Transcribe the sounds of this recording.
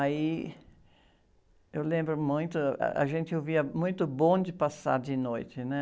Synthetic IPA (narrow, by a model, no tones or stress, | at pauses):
ai | ewlẽmbɾʊmũj̃t̪ʊ̰a̰ʒẽnt͡ʃ̪ɪoviɐmũj̃t̪ʊbõd͡ʒɪpasa̰ɾd͡ʒɪnojt͡ʃ̪ɪnɛ